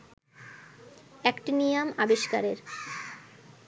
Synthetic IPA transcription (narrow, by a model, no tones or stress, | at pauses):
ɛkʈinijamabeʃka̰ɾeɾ